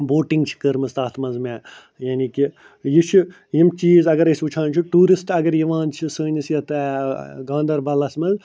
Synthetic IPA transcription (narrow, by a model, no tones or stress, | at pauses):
boːʈiŋɡt͡ʃʰi̥kəɾmɨst̪aːt̪ʰmɐnzmẽː | jaːniki | jit͡ʃʰu | jimt͡ʃiːzɐɡɐɾɐsuːt͡ʃʰãːnt͡ʃʰuʈuːɾisʈɐɡɐɾjiʋãːnt͡ʃʰisəːnisjɐt̪ʰɛɡãːnd̪ɐɾbɐlɐsmɐz